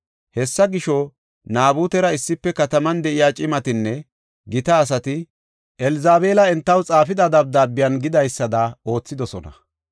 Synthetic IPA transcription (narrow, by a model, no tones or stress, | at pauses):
hɛsːɐɡɪʃɔ | naːbuːt̪ɛɾɐɪsːɪpːɛkɐt̪ɐmɐnd̪ɛʔɪjaːt͡ʃʼɪmɐt̪ɪnːɛ | ɡɪt̪ɐːs̬ɐt̪ɪ | ʔɛlɪzaːbe̞ːlɐɛnt̪ːɐwt͡sʼaːfɪd̪ɐd̪ɐb̚d̪aːbːɪjɐnɡɪd̪ɐjsːɐd̪ɐo̞ːt͡sːɪd̪ɔsɔnɐ̰